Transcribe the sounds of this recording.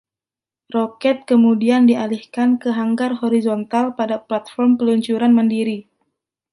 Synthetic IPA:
rokɛt̪̚kəmudiandialihkankəɦaŋɡarɦoɾizɔnt̪alpadaplat̪̚fɔrmpəluɲt͡ʃuɾanməndiɾi

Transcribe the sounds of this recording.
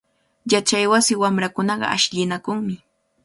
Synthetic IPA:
jat͡ʃajwasɪwamɾakʊnɑɢɑ̰aʃʎɪnakʊŋmɪ

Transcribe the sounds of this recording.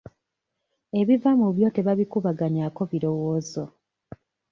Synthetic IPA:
e̞βivamuβjo̞te̞βaβikuβaɡaɲako̞βiɾo̞woːzo

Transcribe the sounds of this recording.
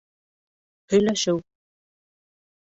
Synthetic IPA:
hɵ̆jlæʃɘw

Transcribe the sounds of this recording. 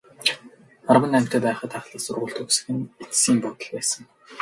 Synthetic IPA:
arwə̆nːæm̥ʲt̪ʰœːpæːχə̆t̪ʰaχɮăːsʊrʁʊ̆ːɮt̪ʰɵksɘ̆xɘ̆net͡ssiːmpɔt̪ɞ̆ɮpæːsə̆ŋ

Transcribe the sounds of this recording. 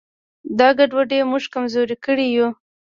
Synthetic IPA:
d̪ɑɡaɖwaɖemuʒkamzoɾikəɽiju

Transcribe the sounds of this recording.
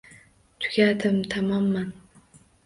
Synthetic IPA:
t̪ʰʊ̥ɡʲad̪ɪmt̪ʰamɒmːan

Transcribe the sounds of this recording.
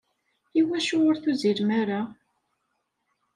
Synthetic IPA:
iwæʃʊʊɾθuziɾmaɾa

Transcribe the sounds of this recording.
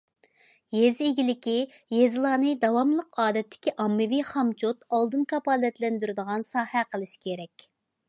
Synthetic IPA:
jeziɡʲilɪkʲijezɨlˠɑːnɨd̪ɑwɑmlˠəqɑːd̪ɛt̪ʰːɪ̥kʲiʔɑmːɨviχɑmt͡ʃʰot̪ɑlˠd̪ɨnkʰɑpɑlˠɛt̪lɛnd̪yɾɪd̪əʁɑnsɑːhæqʰəlˠɨʃkʲʰeɾɛkʲ

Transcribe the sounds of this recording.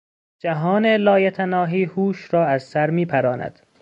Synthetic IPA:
d͡ʒæɦɒːnelɒːjet̪ʰænɒːɦiːhuːʃɾɒːæzsæɾmiːpʰæɾɒːnæ̰d̪̥

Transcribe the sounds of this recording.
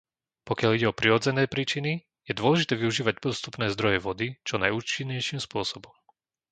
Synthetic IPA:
pɔkɪaliɟɛɔpɾiɾɔd͡zɛnɛːpɾiːt͡ʃini | jɛd̪ʊɔlɛʒit̪ɛːʋiuʒiːʋaɟ̚p̪ɔst̪upnɛːzd̪ɾɔjɛʋɔd̪it͡ʃɔnajuːt͡ʃiɲːɛjʃiːmspʊɔsɔbɔm

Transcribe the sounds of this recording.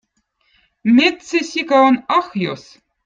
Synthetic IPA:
mʲet̪sesʲikæonɑxjo̰s

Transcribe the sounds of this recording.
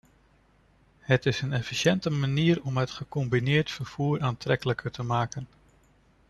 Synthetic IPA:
hətɪsənɛfiʃɛntəmaniːɾɔmɦətχəkɔmbinɪːɹtfəɹv̥uːɹaːntrɛkələkəɹtəmaːkən

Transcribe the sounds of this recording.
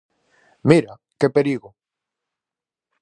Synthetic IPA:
miɾa | kepeɾiɣo

